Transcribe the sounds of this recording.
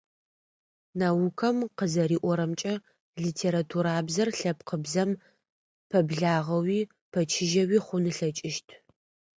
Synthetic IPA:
naːwʊkʰɐmqəzɐɾiːʔʷɔɾɐmt͡ʃʼɐ | ɮitʰeːɾatʰuɾaːbzɐrɬɐp̚qəbzɐm | pʰɐbɮaːʁɐwiː | pʰɐt͡ʃʰɪʒɐwiːχʷʊnɨɬɐt͡ʃʼɪʃtʰ

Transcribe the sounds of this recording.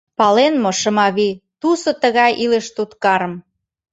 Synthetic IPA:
pɑlenmoʃəmɑβit̪usot̪əɣɑjʔileʃt̪ut̪kɑɾə̆m

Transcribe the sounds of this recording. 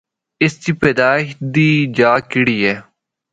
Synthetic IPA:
ɪst̪iːped̪aːɪʃd̪iːd͡ʒaːkɪɽiːeː

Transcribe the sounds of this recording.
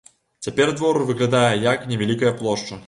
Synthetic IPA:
t͡sʲapʲɛrd̪vɔɾɨvɨɣlʲad̪ajɛjaknʲɛvʲalʲikɐjɐplˠɔʂt͡ʂɐ

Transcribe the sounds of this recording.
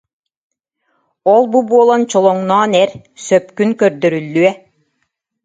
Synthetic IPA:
ɔlˠbubuɔlˠɔnt͡ɕɔlˠɔŋnɔːnɛɾ | sœpkynkœɾd̪œɾylːyɛ

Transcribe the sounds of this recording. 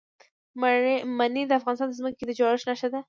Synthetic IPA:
manid̪əafɣɑnɪst̪ɑnd̪əzməked̪əd͡ʒɑɾɪʃnaʃad̪a

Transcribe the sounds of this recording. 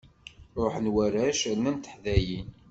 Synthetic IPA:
ɾˤoħənwæɾæʃnːænt̪ə̥ħðæjin

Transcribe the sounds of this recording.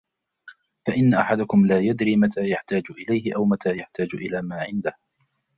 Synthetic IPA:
faʔɪnːaʔaħad̪ʊkʊmlaːjad̪ɾiːmat̪ʰaːjaħt̪aːd͡ʒʊʔɪlajhɪʔawmat̪ʰaːjaħt̪aːd͡ʒʔɪlaːmaːʕɪnd̪ah

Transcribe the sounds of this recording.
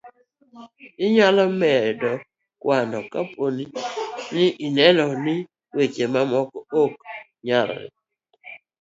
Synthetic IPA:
ɪɲalɔmɛɾdɔ | kwanɔkaponinɪʔɪnɛnɔnɪ | wet͡ʃemamɔkɔok̚ | ɲaɾɔ̰ɾɪ̰

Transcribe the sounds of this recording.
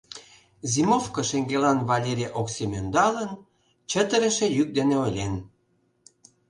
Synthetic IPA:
zʲimofkəʃeŋɡelɑnvɑlʲeɾʲeʔoksemʲønd̪ɑlən | t͡ɕə̆t̪ə̆ɾə̆ʃĕjyk̚d̪eneojlʲen

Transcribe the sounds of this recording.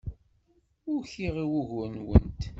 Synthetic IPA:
ʊɾçiʁiwʊʝənwə̰nt̪

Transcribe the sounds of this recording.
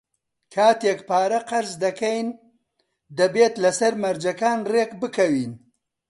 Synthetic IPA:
kʰaːt̪jekpaːɾɐqaɾzd̪ɐkajn | d̪ɐbet̪lɐsɐɾmɐɾd͡ʒɐkaːnrekbɨkɐwin

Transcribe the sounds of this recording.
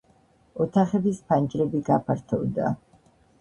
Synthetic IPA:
ɔt̪ʰaχɛbispʰand͡ʒʼɾɛbiɡapʰaɾt̪ʰɔvd̪a̰

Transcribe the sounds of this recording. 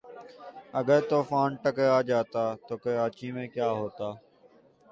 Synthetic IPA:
əɠəɾt̪oːfaːnʈəkəaːd͡ʒaːt̪aːt̪oːkəɾaːt͡ʃiːmẽːkjaːɦoːt̪aː

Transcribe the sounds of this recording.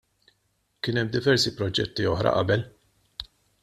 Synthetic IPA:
kɪːnɛmːd̪ɪvɛɾsipɾɔd͡ʒɛt̪ːiɔħɾɐ̰ʔɐ̰bɛl

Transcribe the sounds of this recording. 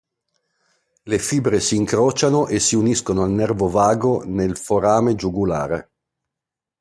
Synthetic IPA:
lefiːbɾesiːŋkɾɔːt͡ʃanoʔesiuniskonoalnɛrvovaːɡonelfoɾaːmed͡ʒuɡula̰ːɾḛ

